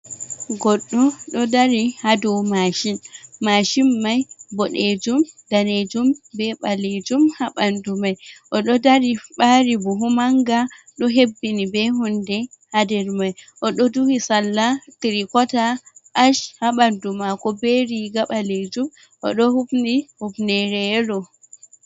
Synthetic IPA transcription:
ɡɔɗːɔɗɔdaɾihadumaʃinmaʃimːajbɔɗed͡ʒumd̥aned͡ʒumbɛɓaled͡ʒumhaɓandumajʔɔɗɔdaɾiɓaɾibuɦumaŋɡaɗɔɦebːinibɛɦundɛhadɛɾmajʔɔɗɔduhisalːatiɾikɔtaʔaʃhaɓandumakɔbeɾiɡaɓaled͡ʒum | ʔɔ̰ɗɔhubnihubnɛɾɛlɔ

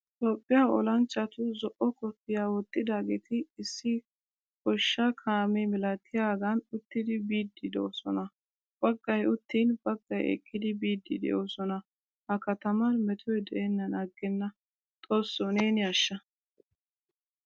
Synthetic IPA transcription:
t̪ʼoːpʼːɪjaːɔlɐnt͡ʃʼːɐt̪ʊzɔʔɔkɔpːɪjaːwɔt̪ʼːɪd̪aːɡeːt̪ɪɪsːɪ | kɔʃːɐkʰaːmɛmɪlɐt̪ʰːɪjaːɡɐnʊt̪ːɪd̪ɪbiːd̪ːɪd̪oːsɔnɐ | b̥ɐɡːɐjʊt̪ːiːnbɐɡːɐjɛ̰kʰʼːɪd̪ɪbiːd̪ːɪd̪ɛ̰jʔo̞ːsɔnɐ | hɐkɐt̪ɐmɐnmɛt̪ʰɔjd̪ɛʔɛnːɐnaɡːɛnːɐ | t̪ʼoːsːoneːnɪɐʃːɐ

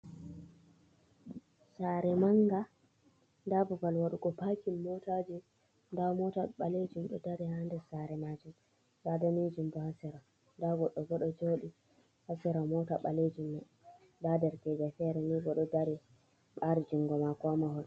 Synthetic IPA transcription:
saɾɛmaŋɡa | dabɔbalwaɗuɡɔpakimːɔtad͡ʒi | ndamɔtaɓaled͡ʒumɗɔ̰daɾihandɛsaɾɛmad͡ʒum | dadamid͡ʒumɗɔhasiɾa | daɡɔɗːɔɡɔɗɔd͡ʒoːɗi | hasiɾamɔtaɓaled͡ʒumɗɔ | dadɛɾkɛd͡ʒafɛɾɛniɡɔɗɔdaɾi | ɓaɾid͡ʒuŋɡɔmakɔmahɔɾ

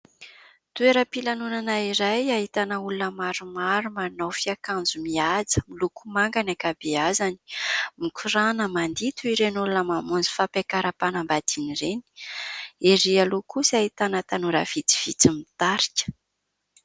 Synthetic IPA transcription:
t̪ueɾəpilanunanaiɾajaɦit̪anəulunəmaɾumaɾumanawfiakand͡zumiad͡zə̥milukumaŋɡanakabeazani̥mikʰuɾanəmand̪it̪uiɾenulunəmamund͡zi̥fapekaɾapanambad̪iniɾeni̥ | eɾialukusaɦit̪anət̪anuɾə̰v̥it͡si̥v̥it͡simit̪aɾi̥kʲə̥

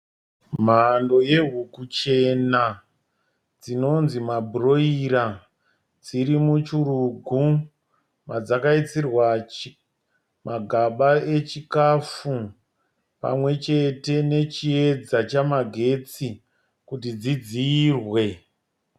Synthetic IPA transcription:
m̤ando̞je̞ɦukut͡ʃe̞na | d͡zino̞nzimabʱuro̞iɾa | d͡ziɾimut͡ʃuruɡʱu | mad͡zakait͡sirwa | maɡʱaɓae̞t͡ʃikafu | pa̰mwe̞t͡ʃe̞te̞ne̞t͡ʃie̞d͡zat͡ʃamaɡʱe̞t͡si | kut̬id͡zid͡ziːrwe̞

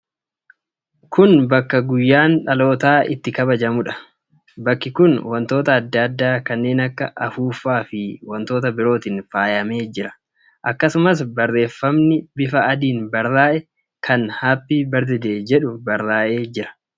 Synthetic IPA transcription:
kʰʊnbɐkːɐɡʊjːaːnᶑɐlo̞ːt̪aːʔɪt̪ːɪkɐbɐd͡ʒɐmʊᶑɐ̥ | bɐkːɪkʊnwɐnt̪o̞ːt̪ɐːd̪ːɐd̪ːaːkɐnːe̞ːnɐkːɐʔɐfuːfːaːfɪwɐnt̪o̞ːt̪̬ɐbɪɾo̞ːt̪iːnfaːjɐme̞ːd͡ʒɪɾɐ̥ | ʔɐkːɐsʊmɐs̬bɐrːe̞ːfːɐmnɪbɪfɐɐd̪iːnbɐɾːaːʔɛ | kʰɐnhaːpːiːbɐɾd̪ɪd̪e̞ːd͡ʒɛᶑʊbɐɾːaːʔe̞ːd͡ʒɪɾɐ̥

